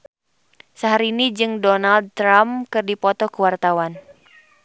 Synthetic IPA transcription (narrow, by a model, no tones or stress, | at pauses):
səɦaɾiːnid͡ʒɨŋdɔnald̪̚t̪ɾamkɨrdipɔt̪ɔkuwart̪awan